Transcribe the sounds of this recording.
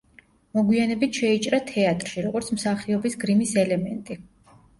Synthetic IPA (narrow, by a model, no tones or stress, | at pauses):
mɔɡwianɛbit̪ʰʃɛit͡ʃʼɾat̪ʰɛat̪ʼɾʃiɾɔɡɔɾt̪sʰmsaχiɔbisɡɾimisɛlɛmɛnt̪ʼi